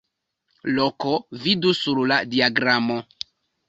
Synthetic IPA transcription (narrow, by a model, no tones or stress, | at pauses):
lokovidusuɾladiaɡɾamo